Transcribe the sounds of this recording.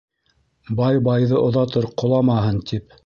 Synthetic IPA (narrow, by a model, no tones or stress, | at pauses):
bɑjbɑjðɤʔŏðɑt̪ɤɾqŏlˠɑmɑɦɤnt̪ip